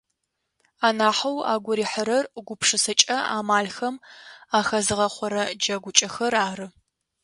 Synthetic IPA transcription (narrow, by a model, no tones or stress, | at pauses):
aːnaːħɐwa̰ːɡʷʊɾiːħəɾɐrɡʷʊpʰʂɨsɐt͡ʃʼɐa̰ːmaːɮxɐmaːxɐzɨʁɐχʷɔɾɐd͡ʒɐɡʷʊt͡ʃʼɐxɐraːrɨ